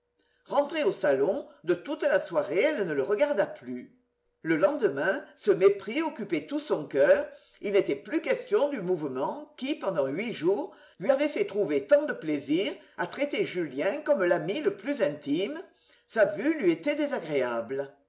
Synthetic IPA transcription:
ʁɑ̃t̪χeosalɔ̃d̪ət̪ut̪laswaʁeɛlnələʁəɡaʁd̪aply | ləlɑ̃d̪əmɛ̃səmepχiɔkypet̪usɔ̃kœːʁ | ilnet̪ɛplykɛst̪jɔ̃d̪ymuvəmɑ̃kipɑ̃d̪ɑ̃ɥiʒuʁ | lɥiavɛfɛt̪χuvet̪ɑ̃d̪əpleziʁat̪χet̪eʒyljɛ̃kɔmlamiləplyzɛ̃nt̪imə | savylɥiet̪ɛd̪ezaɡʁeablə

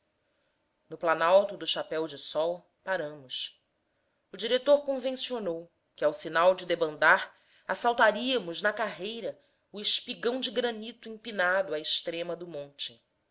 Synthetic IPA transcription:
nʊplanawt̪ʊd̪ʊʃapɛwd͡ʒɪsɔw | paɾɐ̃mʊs | ʊd͡ʒiɾet̪oɾkõvẽsionow | kɪawsinawd͡ʒɪd̪ebɐ̃nd̪aɾ | asawt̪aɾiɐmʊznɐkaɦejɾɐ | ʊɪʃpiɡɐ̃w̃d͡ʒɪɡɾɐnit̪ʊĩŋpinad̪ʊaɪʃt̪ɾẽmɐd̪ʊmõnt͡ʃɪ

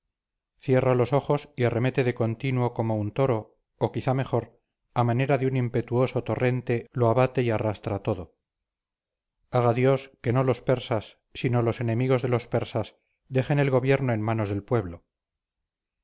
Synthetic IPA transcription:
θje̞ralo̞so̞χo̞siare̞me̞t̪e̞ðeko̞nt̪inuo̞ko̞mount̪o̞ɾo̞ | okiθame̞χo̞ɾ | amane̞ɾaðeunimpe̞t̪uo̞sot̪o̞re̞nt̪e̞loaβat̪e̞iarast̪ɾat̪o̞ðo | aɣ̞aðjo̞ske̞no̞lo̞spe̞ɾsasː | ino̞lo̞se̞ne̞miɣo̞zðe̞lo̞spe̞ɾsas | d̪e̞χe̞ne̞lɣo̞βje̞ɾnoe̞nmano̞zðe̞lpwe̞βlo

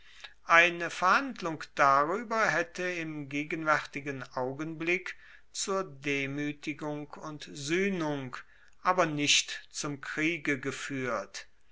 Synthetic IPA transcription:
ʔaɪnəfɛɐhandlʊŋkd̥aʁyːbɐɦɛtəɪmɡeːɡənvɛʁtɪɡənʔaʊɡənblɪk | t͡suːɐdeːmyːtɪɡʊŋkʊntzyːnʊŋk | ʔaːbɐnɪʃtt͡sʊmkʁ̥iːɡəɡəfyːɐt

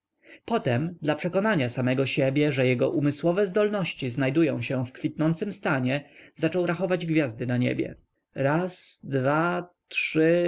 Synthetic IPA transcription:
pɔt̪ɛmd̪lapʂɛkɔnaɲasamɛɡɔɕebʲjɛʐɛjɛɡɔʔumɘswɔvɛzd̪ɔlnɔɕt͡ɕiznajd̪ujɔ̃w̃ɕɛfkfʲit̪̚nɔnt̪sɘmst̪aɲɛzat͡ʂɔwɾaxɔvad͡ʑɡvʲjazd̪ɘnaɲḛbʲjɛ̰ | ɾasd̪vatʂɘ

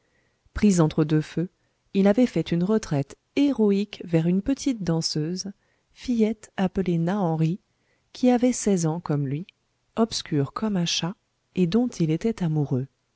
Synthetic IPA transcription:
pχizɑ̃t̪χəd̪øfø | ilavɛfɛt̪ynʁət̪χɛt̪ | eʁɔikvɛʁynpət̪ʰit̪̚d̪ɑ̃søz | fijɛt̪apəlenaɑ̃ʁi | kʲʰiavɛsɛzɑ̃kɔmlɥi | ɔpskʲyʁkʰɔmɛ̃ʃa | ed̪ɔ̃t̪ʰilet̪ɛt̪amuʁø

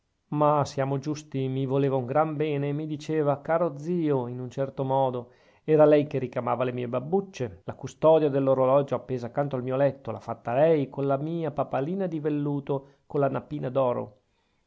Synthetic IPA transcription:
masjaːmod͡ʒust̪imivoleːvauŋɡɾambɛːneːmid̪it͡ʃeːvakaːɾod̪ziːoinunt͡ʃɛrt̪omɔːd̪o | ɛːɾalɛjkerikamaːvalemiːebabːut͡ʃːelakust̪ɔd̪jad̪elːoɾolɔd͡ʒoapːeːzakːant̪oalmiːolɛt̪ːola̰fat̪ːalɛjkonlamiːapapaliːnad̪ivelːuːt̪o | kolːanapiːnad̪ɔːɾo̰

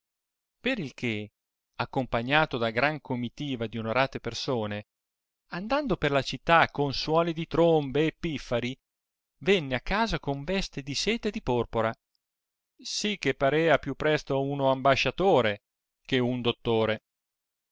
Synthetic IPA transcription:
peɾilk̟e | akːompaɲːaːt̪od̪aɡɾaŋkʰomːit̪iːvad̪ionoɾaːt̪epersoːne | and̪and̪operlat͡ʃit̪ːakːonswɔːlid̪it̪ɾombeːpːifːaɾi | vɛnːeakːaːzakoɱvɛst̪ed̪isɛːt̪ed̪ipɔrpoɾa | sik̟ːepːaɾɛːapjupːɾɛst̪ounoambaʃːat̪oːɾe | k̟eund̪ot̪ːoːɾe

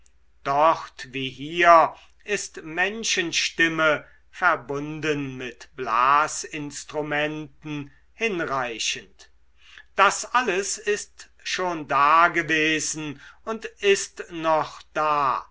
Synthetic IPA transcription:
d̥ɔχtviːɦiːɐ | ɪstmɛnʃənʃtɪmə | fɛɐbʊndənmɪtb̥laːsɪnstʁ̥umɛntn̩ | hɪnʁaɪʃənt | d̥asʔaləsɪst | ʃoːndaːɡəveːzn̩ʊntɪstnɔχd̥aː

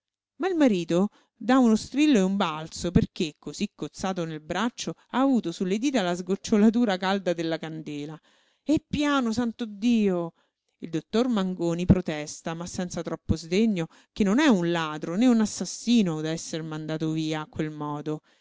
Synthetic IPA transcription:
mailmaɾiːt̪o | d̪aunost̪ɾilːoeumbalt̪soperk̟ekːozikːot̪sːaːt̪̬onelbɾat͡ʃːoaːvuːt̪osulːed̪iːt̪alːazɡot͡ʃːolat̪̬uːɾakald̪ad̪elːakand̪eːla | ɛpːjaːnosant̪od̪ːiːo | ild̪ot̪ːormaŋɡoːnipɾot̪ɛst̪amasːɛnt̪sat̪ɾɔpːozd̪eɲːo | k̟enːonɛunlaːd̪ɾoneunasːasːiːnod̪aɛsːermand̪aːt̪oviːaːkːwelmɔːd̪o

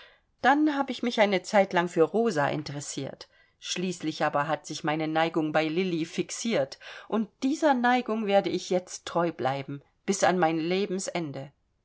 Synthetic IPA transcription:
d̥anhaːbəɪçmɪçʔaɪnət͡saɪtlaŋfyːɐʁoːzaʔɪ̰ntəʁɛsiːɐt | ʃliːslɪçʔaːbɐɦatz̥ɪçmaɪnənaɪɡʊŋbaɪlɪlifɪksiːɐtʔʊnt̚d̥iːzɐnaɪɡʊŋveːɐdəɪçjɛt͡stʰːʁ̥ɔʏblaɪbm̩ | b̥ɪsa̰nmaɪnleːbm̩sʔɛndə

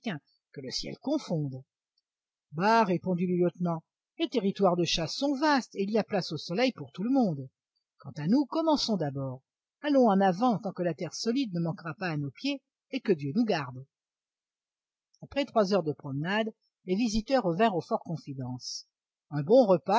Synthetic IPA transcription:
ɛ̃ | kələsjɛ̰lkɔ̃fɔ̃d̪ | baʁepɔ̃d̪iləljɔt̪nɑ̃ | let̪eʁit̪waʁd̪əʃaɔ̃vast̪eiliaplasosɔlɛjpuʁt̪uləmɔ̃d̪ | kɑ̃t̪anukɔmɑ̃sɔ̃d̪abɔʁ | alɔ̃ɑ̃navɑ̃t̪ɑ̃kəlat̪ɛʁsɔlid̪nəmɑ̃kʁapaːnopjeː | kəd̪jønuɡaʁd̪ | apχɛt̪χwazœʁd̪əpχɔmnad̪ | levizit̪œʁːəvɛ̃ʁofɔʁkɔ̃fid̪ɑ̃s | ɛ̃bɔ̃ʁəpa

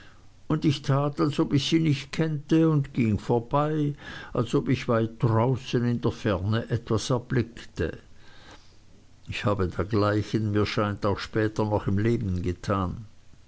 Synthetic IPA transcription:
ʊndɪçtʰaːtalsopɪçsiːnɪçt̚kʰɛntəʊndɡ̥ɪŋfoːɐb̥aɪʔalsopɪçvaɪt̚d̥ʁaʊsənɪndeːɐfɛɐnəʔɛtv̥asɛɐb̥lɪktə̰ | ɪçhaːbədeːɐɡlaɪçənmiːɐʃaɪntaʊxʃpɛːtɐnɔχɪmleːbn̩ɡətʰaːn

